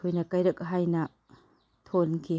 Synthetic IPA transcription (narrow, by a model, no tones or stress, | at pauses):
ojnɐkajɾɐk̚ɦajnɐ | tʰonkʰi